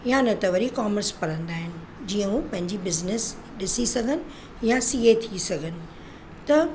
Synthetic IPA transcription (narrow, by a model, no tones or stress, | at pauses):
jãnɐt̪ɐʋəɾikaːməɾspɐɾə̃nd̪aːɦɪnɪ̆ | d͡ʑiːə̃ɦũːpɐ̃ɦɪ̃ɲd͡ʑibɪznɪs | ɗɪsisɐɡʱənɪ̆ | jãsiːɦet̪ʰisɐɡʱənɪ̆ | t̪ɐ